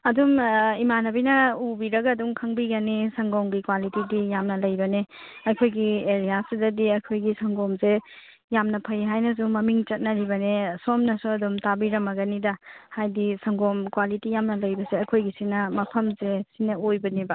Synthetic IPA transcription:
ɐdumimanɐbinɐubiɾɐɡɐːduŋkʰɐŋbiɡɐnisɐŋɡɔŋɡikwalitidijamnɐlɐjbɐneɐkʰojɡieɾijasidɐdiɐjkʰojɡisɐŋɡɔmze | jamnɐpʰɐjɦajnɐs̬umɐmiŋt͡ʃɐt̚nɐɾibɐnesomnɐsuɐdumtabiɾɐmɐɡɐnidɐhajdisɐŋɡɔmkwalitijamnɐlɐjbɐseɐkʰojɡisinɐmɐpʰɐmzesinɐojbɐnibɐ

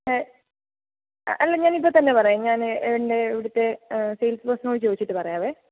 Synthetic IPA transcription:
ʔɐlːeɲaːnipːoːt̪ɐnːe̞pɐrɐjaɲaːneʋiɳde̞ːʋiɽut̪ːe̞sejlsprɐsnɐoːit͡ɕoːit͡ɕːiʈːɨpɐrɐjaːʋeː

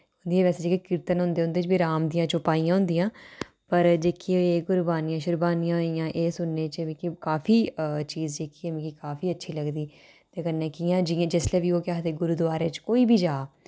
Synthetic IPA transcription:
ɦʊ̃nd̪iːɛːʋɛːseːd͡ʒeːkekɪɾt̪ənɦʊ̃nd̪eːɦʊ̃nd̪eːt͡ʃbiːɾaːmd̪ijãːt͡ʃʊpaːijãːɦʊ̃nd̪ijãː | pəɾd͡ʒeːkʰieːɡʊɾbaːniːãːʃʊɾbaːnijãːijãːʔeːsʊnːeːt͡ʃʋĩːkikaːfʰiːt͡ʃiːzd͡ʒeːkʰiemĩːkikaːfiːətːʃʰiːləɡd̪iː | t̪eːkənːeːkijãːd͡ʒĩd͡ʒɪsleːʋiːoːkɪaːt̪eːɡʊɾud̪ʋaːɾeːt͡ʃkoːiːbʱiːd͡ʒaː

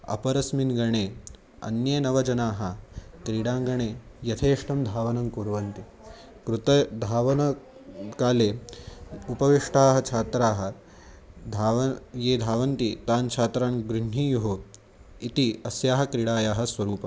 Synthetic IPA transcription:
ɐ̰pɐɾɐsminɡɐɳeː | ɐ̰njɐnɐʋɐd͡ʒɐnaːɦɐkɾiɽaːŋɡɐɳeː | jɐt̪ʰeːʂʈɐmd̪ʱaːʋɐnɐmkuɾʋɐnt̪i | kɾut̪ɐd̪ʱaːʋɐnɐ | kaːleː | upɐʋiʂʈaːɦɐt͡ʃʰaːt̪ɾaːɦɐ̆ | d̪ʱaːʋɐjeːd̪ʱaːʋɐnt̪it̪aːnt͡ʃʰaːt̪ɾaːnɡɾuɳ̤iːjuɦu | it̪iɐsjaːɦɐkɾiɽaːjaːɦɐ̆sʋɐɾuːpɐ

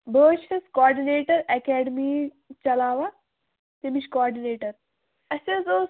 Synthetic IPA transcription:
bəːʃeskɔːɾɖineːʈəɾɛkɛɖmi | t͡ɕɐlaːʋa | t̪emit͡ʃkɔːɾɖineːʈəɾ | əsed͡zo

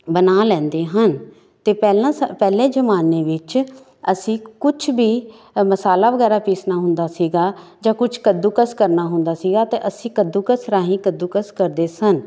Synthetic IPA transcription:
bənaːlɛ̃ːnd̪eːɦən | t̪eːpɛːlãːpɛːlẽːd͡ʒəmaːneːʋɪt͡ʃ | əsĩːkʊt͡ʃʰbiː | məsaːlaːʋəɡɛːɾaːpiːsnaːɦʊnd̪aːsiːɡaːd͡ʒãːkʊt͡ʃʰkəd̪uːkəskəɾnaːɦʊ̃nd̪aːsiːɡaːt̪eːʔəsĩːkəd̪uːkəsɾaːɦĩːkəd̪uːkəskəɾd̪eːsən

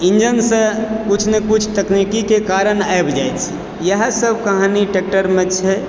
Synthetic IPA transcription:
ind͡ʒənsə̃kut͡ʃʰnekut͡ʃʰt̪əknikikekaɾənaebʱd͡ʒajt̪t͡ʃʰi | jəɦə̃səbʱkəɦaniʈek̚ʈəɾmẽt͡ʃʰɛ

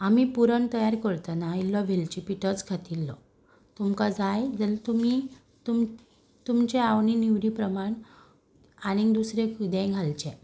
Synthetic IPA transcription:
amipuɾəɳt̪əjaɾkəɾt̪anailːɔʋʱelt͡ɕipiʈət͡skʰat̪ilːɔ | t̪umkad͡zajd͡zəlt̪umi | t̪um | t̪umt͡ɕeaʋɳiniʋɾiːpɾəmaɳ | anid̪usɾekud̪ɛ̃ɡʱalt͡ɕɛ̃

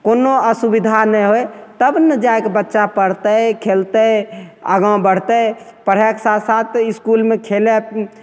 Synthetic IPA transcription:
konoəsubid̪ʱanəjɦoet̪əbnəd͡ʒaekebətːʃapəɾt̪əkʰelt̪əə̰ɡãw̃bəɽ̤t̪əpəɾ̤ɦɛksasat̪iskulmekʰele

